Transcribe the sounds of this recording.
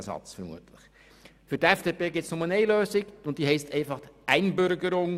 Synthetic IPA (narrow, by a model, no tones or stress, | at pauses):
sɑ̰t͡sfəɾmṵətʰləχ | fʏɾtɛfd̥eːpeːɡɪtsnɔmənɛɪløːsɪɡʊnt̚d̥iːɦɛɪstɛɪfɑχʔæɪnbʏɾɡəɾʊŋ